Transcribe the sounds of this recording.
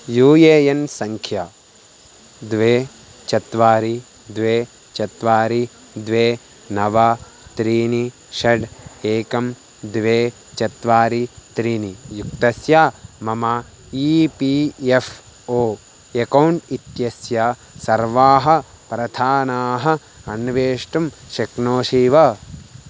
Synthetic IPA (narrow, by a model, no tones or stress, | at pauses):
juːjeːjɐnsɐŋkʰja | d̪ʋeː | t͡ʃɐt̪ʋaːɾi | d̪ʋeː | t͡ʃɐt̪ʋaːɾi | d̪ʋeː | nɐʋa | t̪ɾiːni | ʃɐɖeːkɐm | d̪ʋeː | t͡ʃɐt̪ʋaːɾit̪ɾiːnijukt̪ɐsjaːmɐma | ipief | oː | ekɐwɳʈit̪jɐsja | sɐɾʋaːɦɐ̆ | pɾɐd̪ʰʱaːnaːɦɐ̆ | ɐnʋeːʂʈɐmʃɐknoːʃiːʋɐ